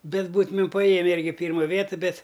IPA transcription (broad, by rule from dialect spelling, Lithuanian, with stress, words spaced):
ˈbʲɛt ˈbuːtʊmʲɪm pɐˈjeːmʲɛ ˈɪrʲɡʲɪ ˈpʲiːrmɐ ˈʋʲiɛtɨ ˈbʲɛt